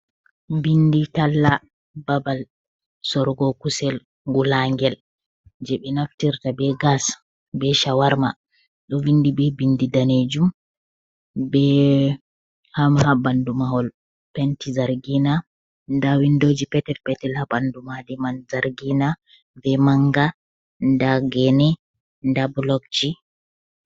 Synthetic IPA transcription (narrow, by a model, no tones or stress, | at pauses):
binditalːa | babal | sɔɾɡɔkusɛl | ŋɡulaŋɡɛl | d͡ʒɛɓɛnaftiɾtabɛɡas | bɛʃawaɾma | ɗɔvindibɛbindidaned͡ʒum | bɛ | hamhabandumaɦɔl | pɛntizaɾɡina | ndawindoːd͡ʒipɛtɛlpɛtɛlhabandumadimanzaɾɡina | bɛmaŋɡa | ndaɡɛnɛ | ndablɔk̚t͡ʃi